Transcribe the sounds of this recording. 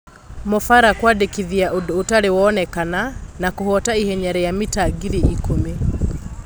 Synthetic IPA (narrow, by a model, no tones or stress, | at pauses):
mɔfaɾakwadekiðiaʔodotaɾewɔːnɛkananakohɔtaihɛɲɛɾɛjamitaɡiɾeikome